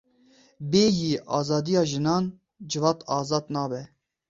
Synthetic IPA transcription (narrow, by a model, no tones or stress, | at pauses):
beːjiːʔɑːzɑːd̪ijɑːʒɨnɑːn | d͡ʒɨvɑːt̪ɑːzɑːd̪nɑːbɛ